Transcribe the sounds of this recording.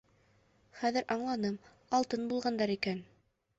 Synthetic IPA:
χæðɘɾʔɑɴlˠɑnɤm | ɑlˠt̪ɤnbulˠʁɑnd̪ɑɾikæn

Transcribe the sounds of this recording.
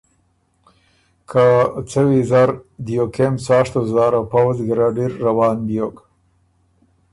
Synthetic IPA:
kʰat͡səwizaɾd̪ijokemsɑːʂt̪ozaɾawpawzɡiɾaɖiɾːawɑːnbjok

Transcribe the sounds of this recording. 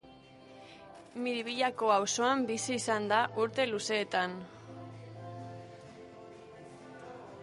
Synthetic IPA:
miɾiβiʎako̞awso̞ambisiːsand̪aʔuɾt̪e̞luse̞ːt̪an

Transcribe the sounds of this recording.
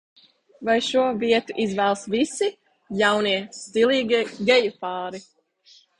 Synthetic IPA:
vajʃuɔviɛt̪uʔizvæːlˠsvisi | jawniɛst̪ilˠiːɡɡʲɛjupɑːɾi

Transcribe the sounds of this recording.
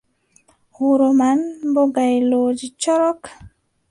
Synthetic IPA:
huɾomanboɡajlod͡ʒit͡ʃɔɾɔk

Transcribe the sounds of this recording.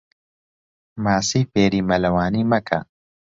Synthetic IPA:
maːsiːfeːɾiːmɐlɐwaːniːmɐkʰɐ̰

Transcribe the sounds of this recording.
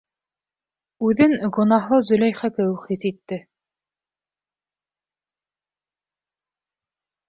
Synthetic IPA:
ʉðɘŋɡŏnɑɦlˠɤzɵ̆læjχækɘwχisit̪ːɘ

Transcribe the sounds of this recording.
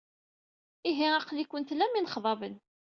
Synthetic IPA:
iɦiɑqlikʷːənt̪læminχðˤɑvən

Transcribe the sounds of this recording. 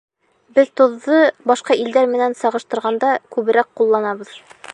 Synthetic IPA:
bɘðt̪ŏðːɤbɑʃqɑʔild̪æɾmɘ̆nænsɑʁɤ̆ʃt̪ɤ̆ɾʁɑnd̪ɑkʉβɘ̆ɾæqqulˠːɑnɑβɤ̆ð

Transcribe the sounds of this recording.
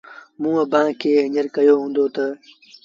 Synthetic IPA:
mũːəbãːkʰeːɦə̃ɲəɾkɐjoːɦũːnd̪oːt̪ɐ

